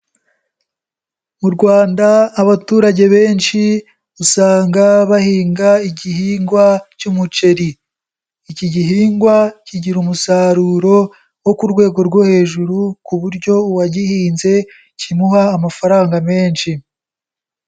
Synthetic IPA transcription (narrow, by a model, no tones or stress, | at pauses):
muɾɡwaːndaːβatuːɾaɟe̞βe̞ːnʃi | usaːŋɡaβahiːŋɡaiɟihiːŋɡwacumut͡ʃe̞ɾiː | ciɟiɦiːŋɡwaciɟiɾumusaɾuːɾo̞ | wo̞kuɾɡwe̞ːɡo̞ɾɡwohe̞ːʒuɾukuβuɾɟo̞waɟihiːnze̞ | cimuhaːmafaɾaːŋɡame̞ːnʃi